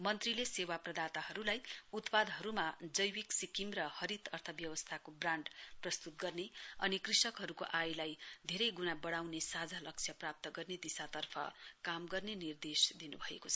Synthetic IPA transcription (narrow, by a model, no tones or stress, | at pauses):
mʌnt̪rilesewaprʌd̪at̪aɦʌɾulajut̪pad̪ɦʌɾumad͡zʌjwiksikimrʌhʌɾit̪ʌrt̪ʰʌbjʌwʌst̪ʰakobraɳɖprʌst̪ut̪̚ɡʌrneʌ̰nikrisʌkɦʌɾukoʔajlajd̪ʱeɾʌjɡunabʌɽawnesad͡zʱalʌk̚t͡sʰjʌprap̚t̪ʌɡʌrned̪isat̪ʌrpʰʌ̰kamɡʌrnenird̪esd̪inubʱʌḛkot͡sʰʌ